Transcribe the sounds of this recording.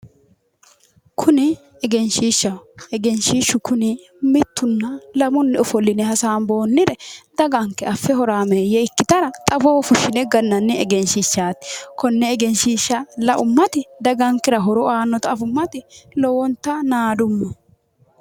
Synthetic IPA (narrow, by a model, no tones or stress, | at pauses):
kʰʊnɪ | ɛɡɛnʃiːʃːɐɛɡɛnʃiːʃːʊkʰʊnɪ | mɪt̪ːʊnːɐlɐmʊnːɛʊfɔlːɪnɛɦɐsaːnbo̞ːnːɪd̪ɛd̪̥ɐɡɐŋkːɛɐfːɛhɔɾaːmejɛɪkːɪt̪ɐɾɐt̪ʼɐboːfʊʃːɪnɛɡɐnːɐnːɪɛɡɛnʃiʃːaːt̪ɪ̥kɔnːɛːɡɛnʃiːʃːɐlɐʔʊmːɐt̪ɪd̪ɐɡɐŋkːɪɾɐɦɔɾɔaːnːɔt̪ɐːfʊmːɐt̪ɪlɔwɔnt̪ːɐnaːd̪ʊmːɐ